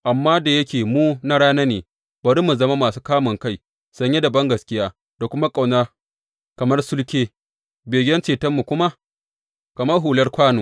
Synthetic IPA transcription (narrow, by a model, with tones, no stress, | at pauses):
ʔa˨mːaː˦da˨jɐ˦kʲeː˨muː˦na˦ɽaː˦na˦neː˨ | bɐ˨ɾi˦mu˨zɐ˦ma˦maː˨suː˦kaː˦mʊ˨ŋka˦j | sɐ˨˦ɲje˦da˨bɐ˦ŋɡɐ˨skʲɪ˦jaː˦ | da˨kʷʊ˦ma˦kʼa˨wna˦ | kɐ˨mɐ˦rsʊ˦lkʲeː˦ | beː˨ɡʲdɐ˦nt͡ʃeː˨tɐ˦mːu˨kʷʊ˦ma˦ | kɐ˨mɐ˦rɦuː˨lɐ˦rkʷaː˦noː˨